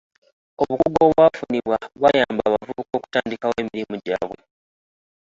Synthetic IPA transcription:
oβukuɡo̞ːβwafuniβwaβajaːmbaːβavuβuko̞ːku̥taːndikaweːmiɾimuɟaːβwe̞

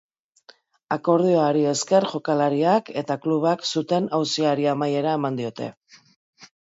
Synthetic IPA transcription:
ako̞ɾð̞ioaɾie̞ske̞ɾʝo̞kalaɾiake̞t̪akluβ̞aksut̪e̞nawsiaɾiamaje̞ɾae̞mand̪io̞t̪e̞̰

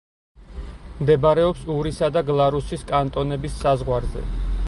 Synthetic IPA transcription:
md̪ɛbaɾɛɔpsuɾisad̪aɡlˠaɾusiskʼant̪ʼɔnɛbisːazʁwaɾzɛ̰

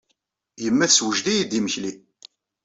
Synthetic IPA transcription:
jəmːæθswəʒd̪ijid̪iməçli

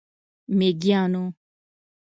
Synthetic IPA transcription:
meɡjãːnũː

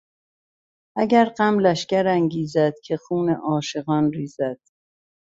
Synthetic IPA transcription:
ʔæɟæɾɢæmlæʃcæɾæŋɡiːzæd̪̥cʲʰexuːnḛʔɒːʃe̞ɣɒːnɾiːzæd̪̥

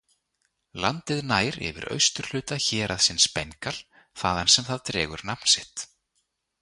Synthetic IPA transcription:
lant̪ɪðnaːjɾɛ̰vɪ̰ɾœ̰ɥst̪ʏɾ̥l̥ʏːt̪açɛːɾʔaðsɪnspɛŋkal̥ | θaːðansɛmθaðt̪ɾɛːɣʏɾnapn̥sɪht̪

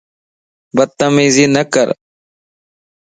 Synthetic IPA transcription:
bəd̪̚t̪ːəmiːziːnəkə̰ɾ

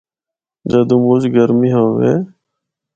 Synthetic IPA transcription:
d͡ʒəːd̪ũːmud͡ʒɡəɾmiːɦoːʋḛː

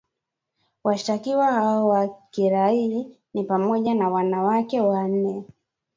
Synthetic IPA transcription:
waʃi̥takiwahaɔwakiɾai | nipamɔʄanawanawakɛwan̩nɛ

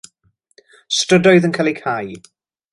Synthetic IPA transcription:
strədɔjðənkʰalˠikʰaj

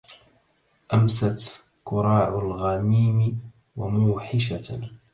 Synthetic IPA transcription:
ʔamsat̪ | kʊɾˤɑːʕʊlɣamiːmɪ | wamuːħɪʃa

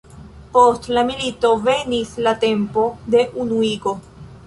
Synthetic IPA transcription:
po̞stlamilito̞ve̞nislate̞mpo̞de̞ʔunuiɡo̞

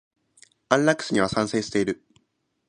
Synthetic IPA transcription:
ãnlakːɯ̥sɨɲiβasãɰ̃se̞ːɕɨ̥t̪e̞iɾɯ̟

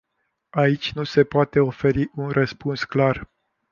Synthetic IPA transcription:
ait͡ʃʲnuse̞poat̪e̞o̞fe̞ɾiʔunrəspunsklar

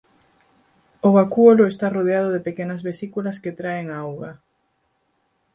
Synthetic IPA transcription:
oɣakuoloest̪aroðeaðʊðepekenɐzβesikulɐsket̪ɾaeŋawɣa

